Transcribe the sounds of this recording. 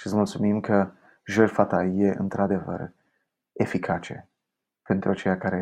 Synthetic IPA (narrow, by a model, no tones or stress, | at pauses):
ʃit̪smult̪sumimkə | ʒerfat̪ajeʔɨ̰nt̪ɾad̪e̞və̰r | e̞fikʰat͡ʃe̞̰ | pe̞nt̪ɾuat͡ʃe̞jakaɾe